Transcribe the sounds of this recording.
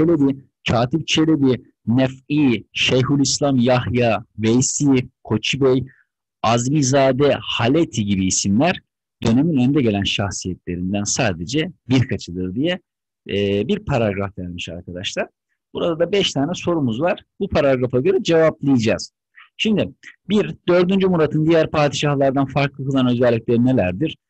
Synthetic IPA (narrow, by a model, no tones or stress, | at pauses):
t͡ʃelʲebi | cʰaːt̪ʰip̚t͡ʃʰe̞lʲebi | nɛfiːʃejɦulʲˠislʲˠamjahjavejsiːkʰo̞t͡ʃʰibɛj | azmizaːd̪ɛhalʲet̪ʰiɟibiːsimlʲæɾ̥ | d̪ø̞ne̞minønd̪ɛɟe̞lʲænʃaxsijɛt̪ʰlʲe̞ɾind̪ænsaːd̪ed͡ʒɛbiɾkʰat͡ʃʰɯd̪ˠɯɾd̪ijɛː | biɾpʰaɾaɡɾafvæɾʲmiʃa̰ɾkʰad̪aʃlˠaɾ̥ | b̥uɾad̪ad̪abɛʃt̪ʰaːnɛso̞ɾumuzvaɾ̥bupʰaɾaɡɾafaɟø̞ɾɛd͡ʒe̞vaplˠɯjd͡ʒaːz̥ | ʃimd̪ibiɾd̪ø̞ɾd̪ynd͡ʒymuɾat̪ʰɯnd̪ijæɾpʰaːd̪iʃahlˠaɾd̪anfaɾklˠɯkɯzˠanø̞zɛlʲːic̚lʲe̞ɾine̞lʲæɾd̪iɾ̥